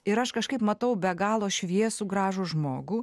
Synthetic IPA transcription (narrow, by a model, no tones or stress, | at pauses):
ɪɾɐʃkɐʃkɐɪpmɐt̪ɐʊbʲɛɡɑːlˠoːʃʲʋʲiɛsuɡɾɑːʒʊʒmoːɡuː